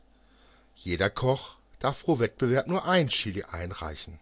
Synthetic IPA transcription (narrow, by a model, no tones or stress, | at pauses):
jeːdɐkʰɔχ | d̥aɐfʁ̥oːvɛt̚b̥əvɛɐpnuːɐʔaɪnʃiːliʔa̰ɪnʁa̰ɪçn̩